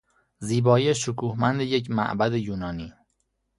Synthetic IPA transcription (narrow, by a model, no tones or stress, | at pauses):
ziːbɒːjeʃokʰuːhmænd̪ejecmæ̰ʔbæd̪ejuːnɒːniː